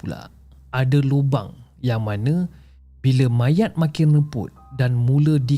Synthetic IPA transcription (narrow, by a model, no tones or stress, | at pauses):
ula̰ | adaloba̰ŋjaŋmanə̃ | biləmãjat̪̚mãkɪnrəpʊ̰t̪̚danmũlədi